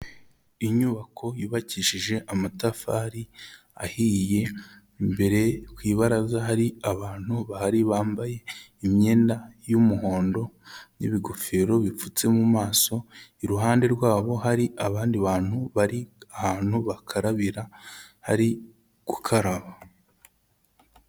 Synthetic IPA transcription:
iɲuːβakʰo̞jiːβaciʃiʒe̞ʔamatafaːɾi | a̰hije̞ | mbe̞ɾe̞kwiːβaɾazaɦaɾiaβaːn̥huβahaɾiβaːmbaje̞imɲe̞ːndajumuɦo̞ːndo̞nḭβiɡofeɾo̞βifut͡se̞mumaːso̞iɾuɦaːnde̞ɾɡwaːβo̞ɦaɾiʔaβaːndiβaːn̥huβaɾiahaːn̥huβakʰaɾaβiɾaha̰ɾi | ɡ̥ukʰaɾaβa

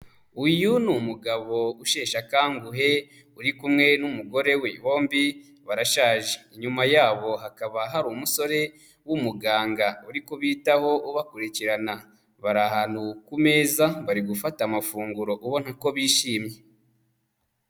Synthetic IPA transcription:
ujunumuɡaβo̞uʃeːʃakaːŋɡuɦe̞ | uɾikumŋe̞numuɡo̞ɾe̞weβo̞ːmbi | βaɾaʃaːʒeiɲumajaːβo̞ɦakaβaɦaɾumuso̞ɾe̞ | wumuɡaːŋɡauɾikuβiːtaho̞ʔuβakuɾiciɾana | βaɾahaːn̥hukume̞ːzaβaɾiɡufatamafuːŋɡuɾo̞ʔuβo̞nhako̞βiːʃiːmɲe̞

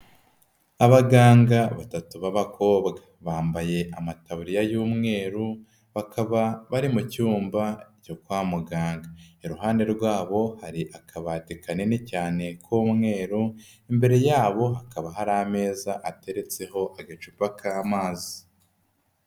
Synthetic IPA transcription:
aβaɡaːŋɡaβatatuβaβakʰo̞ːbɡa | βaːmbaje̞ʔamataβuɾijajuːmŋe̞ːɾu | βakaβaβaɾimucuːmbacokwaːmuɡaːŋɡaeɾuɦaːnde̞ɾɡwaːβo̞haɾiʔakʰaβatikanenicaːne̞kʰuːmŋe̞ːɾu | imbe̞ɾe̞jaːβo̞ɦakaβaɦaɾame̞ːzaʔate̞ɾe̞t͡se̞ho̞ʔaɡet͡ʃupakʰaːmaːzi

